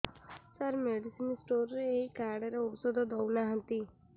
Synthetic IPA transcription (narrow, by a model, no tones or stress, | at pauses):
səɾmeɖisinsʈoɾɾeːikaɾɽeɾeɔsɔd̪ʱɔd̪ɔwnaɦə̃nt̪i